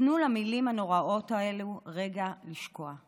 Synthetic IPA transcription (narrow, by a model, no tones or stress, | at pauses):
nulamilimhano̞ʁao̞tae̞luʁe̞ɡaliʃko̞a